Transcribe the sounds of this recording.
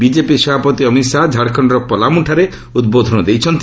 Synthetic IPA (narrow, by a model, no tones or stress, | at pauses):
bid͡ʒepisɔbʱapɔt̪iɔmit̪sad͡ʒʱaɽkʰɔɳɖɔɾɔpɔlamuʈʰaɾe | ud̪̚bod̪ʱɔnɔd̪ejt͡ʃʰɔnt̪